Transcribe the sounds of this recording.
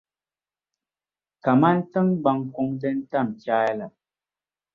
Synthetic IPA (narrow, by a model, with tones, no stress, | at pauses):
ka˨ma˦n̩˦tə˦ŋ˦ɡ͡ba˨˦ŋkɔ˦ŋtə˦n̩˦ta˦˨m˨kjaː˦ɛ˦la˨